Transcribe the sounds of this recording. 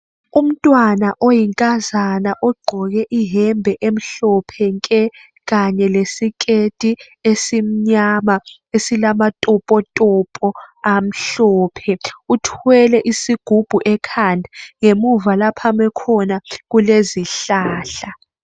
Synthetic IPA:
um̩tʼwanaʔojiŋkʼazanaʔɔɡ͡ǃʱɔɣ̬ɛʔiɦɛmbʱɛʔem̩ɬɔpʰɛŋkʼɛ | ɣaɲɛlesikʼetʼi | esim̩ɲama | esilamatʼɔpʼɔtʼɔpʼɔam̩ɬɔːpʰɛutʰuwɛlɛʔisiɡ̥ʱub̥ʱuʔɛkʰandʱaŋemuvalapʰamɛkʰɔnaɣuleziɬaːɬa

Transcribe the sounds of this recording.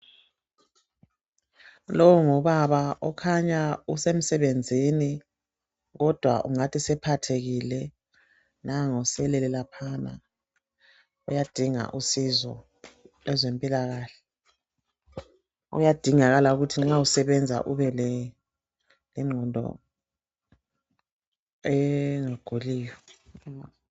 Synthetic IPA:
lɔwuŋɔβaβaʔɔkʰaɲausem̩sɛβend͡zʱini | ɣɔd̥ʱwaʔṵŋatʰisɛpʰatʰeɣilɛ | naŋɔsɛlɛlɛlapʰana̰ | ujad̥ʱiŋa̰ʔusizɔ̰ | lɛzempʼilaɣaːɬɛ | ṵjad̥ʱiŋaɣalauɣutʰiŋ͡ǁausɛβɛnd͡zʱa̰ʔuβɛlɛ | lɛŋ͡ǃʱɔndʱɔ̰ | ɛŋaɡ̥ʱuliːjɔ

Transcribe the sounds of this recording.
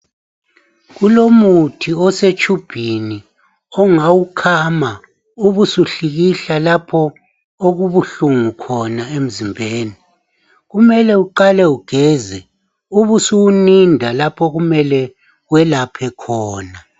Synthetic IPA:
ɣulomutʰiɔset͡ʃʰʼub̥ʱini | ɔŋawukʰama | uβusuɬiɣiɬalapʰɔ | oɣuβuɬuŋukʰɔnaem̩zimbʱeːni | ɣumɛlɛuǃalɛuɡ̥ʱɛzɛ | uβusuwunindʱalapʰɔɣumɛlɛ | wɛlapʰɛkʰɔːna

